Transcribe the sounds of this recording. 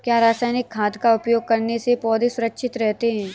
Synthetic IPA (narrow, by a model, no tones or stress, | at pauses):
kjaːɾaːsaːjnɪkʰːaːd̪kaʊpjoːɡ̚kɐɾnesepɔːd̪isʊɾəkʃʰɪt̪ɾɛɦt̪eɦɛ̃ː